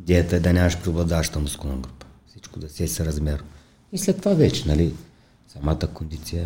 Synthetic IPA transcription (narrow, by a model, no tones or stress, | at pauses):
id̪ɛjɐt̪ɐɛd̪ɐnʲaməʃpɾioblˠɐd̪aʃt̪ɐmuskunɐɡɾupɐ̥fsit͡ʃkod̪ɐsʲɛsɛɾɐzmʲɛɾʊ | islʲɛt̪ːovavɛt͡ʃɛ̥nali | sɐmat̪əkond̪it̪sijə